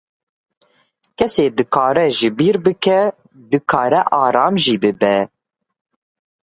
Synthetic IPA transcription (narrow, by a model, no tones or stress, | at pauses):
kʰɛseːd̪ɨkʰɑːɾɛʒɨbiːɾbɨkɛ | d̪ɨkʰɑːɾɛʔɑːɾɑːmʒiːbɨbɛ